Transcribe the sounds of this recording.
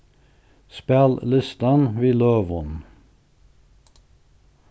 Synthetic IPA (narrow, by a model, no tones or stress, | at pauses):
spɛllʏst̪ɑnʋiːløːʋʊn